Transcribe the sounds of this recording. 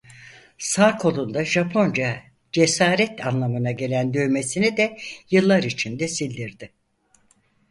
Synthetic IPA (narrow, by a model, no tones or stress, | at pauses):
saːkʰo̞lˠund̪aʒapʰo̞nd͡ʒa | d͡ʒe̞saːɾɛt̪ʰanlˠamɯnaɟe̞lʲænd̪øjme̞sinid̪ɛjɯlˠːaɾit͡ʃʰind̪ɛsilʲd̪iɾd̪ɪ